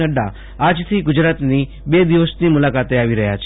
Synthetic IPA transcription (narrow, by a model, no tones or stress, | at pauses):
əɖa̰ | ad͡ʒt̪ʰiɡʊd͡ʒɾat̪ni | bed̪iʋəsnimulakat̪eaʋiɾəɦja̰t͡ʃʰe